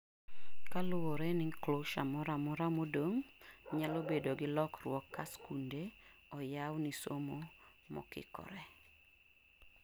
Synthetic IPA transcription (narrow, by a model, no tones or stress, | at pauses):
kalʊwoɾɛnɪkloʃamɔɾamɔɾamodoŋɲalobedoɡɪlɔkrwɔkːaskunde | ɔjawnisomo | mɔ̰kɪ̰kɔ̰ɾɛ